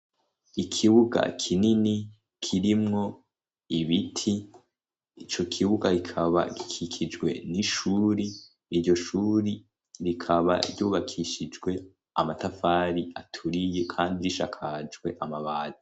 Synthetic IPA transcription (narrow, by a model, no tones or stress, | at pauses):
ikʰiβuɡa̰kʰinini | kʰiɾimŋo̞ | iβitʰiː | t͡ʃo̞kʰiβuɡaɾikʰaβa̰ɡi̥kʰikʰid͡ʒɡwe̞̰niʃuːɾi | iɾɟo̞ʃuːɾi | ɾikʰaβa̰ɾɟuːβakʰiʃid͡ʒɡwe̞ | a̰matafaːɾiatʰuɾije̞kʰaːndiɾiʃa̰kʰad͡ʒɡwe̞ʔamaβaːzi